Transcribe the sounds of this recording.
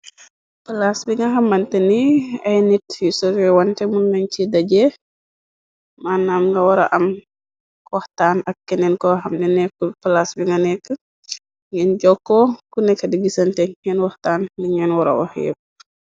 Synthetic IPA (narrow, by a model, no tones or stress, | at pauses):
pəlasbiŋɡɐɦɐmːɐntɛniɐjnitjusɔɾɛwɔntɛmunɡɐɲcidɐɟɛ | maːnːaːmŋɡɐwɐɾɐ̰ʔɐm | kɔhtaːnɐk̚kːɛnɛnkɔhɐmnɛnɛkːupɐlasbiŋɡɐnɛkːə | ŋɛnɟɔkːɔkunɛkːɐdiɡisɐntɛŋɛnwɔhtaːnliɲɛnwɔɾɐ̰wɔ̰hjɛ̰p̚